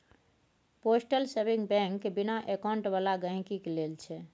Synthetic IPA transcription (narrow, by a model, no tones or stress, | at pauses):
posʈəlsebiŋbɛ̃ŋkbinaʔekaũɳʈbalaɡə̃ɦĩkikelelt͡ʃʰɛ